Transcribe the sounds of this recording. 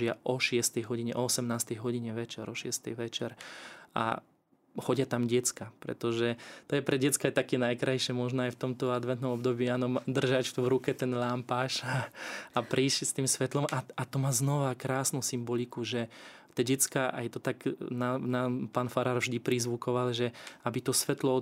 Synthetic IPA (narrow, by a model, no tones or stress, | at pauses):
ɪaʔɔʃɪɛst̪ɛjɦɔɟiɲɛʔɔɔsɛmnaːst̪ɛjɦɔɟiɲɛʋɛt͡ʃɛɾɔʃɪɛst̪ɛjʋɛt͡ʃɛɾa̰ | xɔɟɪat̪amɟɛt͡skapɾɛ̰t̪ɔʒɛt̪ɔjɛpɾɛɟɛt͡skajt̪akɛnajkɾajʃɪɛmɔʒnɔajft̪ɔmt̪ɔad̪ʋɛnt̪nɔmɔbd̪ɔbiːaːnɔmd̪r̩ʒacvɾukɛt̪ɛnlaːmpaːʃaapɾiːʃst̪iːmsʋɛt̪lɔmaat̪ɔmaːznɔʋakɾaːsnusimbɔlikuʒɛt̪ɛɟɛt͡skaʔa̰jt̪ɔt̪aɡnanapaːnfaɾaːɾvʒd̪ipɾizʋukɔʋalʒɛabit̪ɔsʋɛt̪lɔ